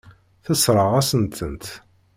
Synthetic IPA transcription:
θəsɾˤəʁæsənt̪ʰənt̪

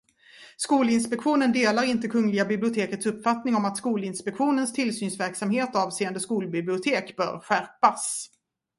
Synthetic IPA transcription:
skuːlɪnspɛkɧuːnənd̪eːlaɾɪnt̪əkʰɵŋlɪɡabɪblɪʊt̪ʰeːkət̪sɵpːfat̪nɪŋɔmat̪skuːlɪnspɛkɧuːnənst̪ʰɪlsyːnsvæɾksamheːt̪ɔɑːvseːənd̪əskuːlbɪblɪʊt̪ʰeːkb̥œ̰ːɾɧæɾpas

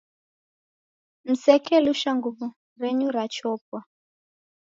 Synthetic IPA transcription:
m̩sɛkʰɛluʃaŋɡuβu | ɾɛɲuɾat͡ʃɔːp̚wa

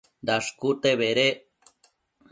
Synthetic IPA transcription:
d̪aʂkut̪eβeɾe

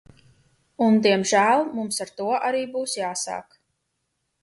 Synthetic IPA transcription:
und̪iɛmʒæːlˠmumsaɾt̪uɔʔaɾiːbuːsjaːsa̰ːk

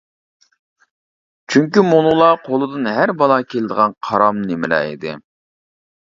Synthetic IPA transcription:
t͡ʃʰyŋkʲymolˠulˠɑqʰolˠɨd̪ɨnɦæɾbɑlˠɑkʲʰelɪd̪əʁɑnqʰɑɾɑmnemɪlɛ̰ːḭd̪ɪ̰

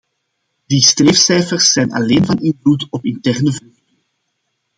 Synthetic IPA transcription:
distreːfsɛjfərsːɛjnɑ̰leːnvɑnɪnvlutɔpɪntɛrnəvudəŋ

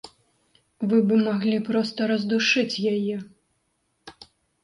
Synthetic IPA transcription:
vɨbɨmaɣlʲipɾɔst̪ɐɾɐzd̪uʂɨt͡sʲjajɛ

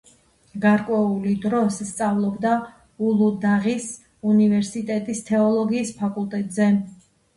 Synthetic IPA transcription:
ɡaɾkʼwɛulid̪ɾɔsst̪sʼavlˠɔbd̪a | ulˠud̪aʁis | univɛɾsit̪ʼɛt̪ʼist̪ʰɛɔlˠɔɡiːspʰakʼulˠt̪ʼɛt̪ʼzɛ

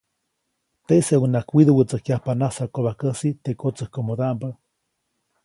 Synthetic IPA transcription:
t̪eseunakwiðuwət͡səhkjahpanasakoβakəsit̪ekot͡səhkomoðampə

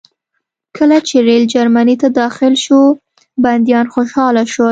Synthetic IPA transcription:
kʰəlat͡ʃeɾeld͡ʒaɾmanit̪ad̪ɑxɪlʃo | band̪jɑnxoʃɑlaʃo

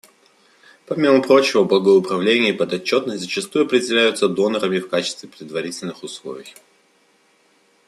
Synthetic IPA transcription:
pɐmʲiməpɾo̞t͡ɕɪvəblˠəɡəʊpɾɐvlʲenʲɪəpəd̪ɐt͡ɕːo̞t̪nəsʲtʲzət͡ɕɪst̪ujʊɐpɾʲɪdʲɪlʲæjʊt̪səd̪o̞nəɾəmʲɪfkat͡ɕɪ̥st̪vʲɪpɾʲɪd̪vɐɾʲitʲɪlʲnɨxʊslˠo̞̰vʲɪj

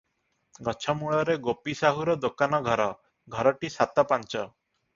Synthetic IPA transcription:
ɡɔt͡ʃʰɔmuɭɔɾeɡopisaɦuɾɔd̪okanɔɡʱɔɾɔ | ɡʱɔɾɔʈisat̪ɔpant͡ʃɔ

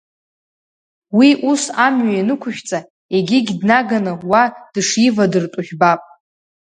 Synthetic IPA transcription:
wiʔusamɥainɨkʷʰʊʃᶣt͡sʼa | eɡʲɪɡʲdnaɡanɨwad̥ʂjivadɨrtʷʼʊʒᶣbapʼ

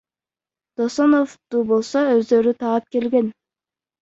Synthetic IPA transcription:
d̪̥osonoft̪ubolˠsoøzd̪ø̞ɾyt̪ʰɑːɑp̚ke̞lɡe̞n

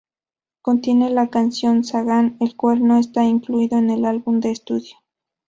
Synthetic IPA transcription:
ko̞nt̪je̞ne̞lakansjo̞nsaɣane̞lkwalno̞e̞st̪aiŋkluiðoene̞lalβumd̪e̞ːst̪uðjo

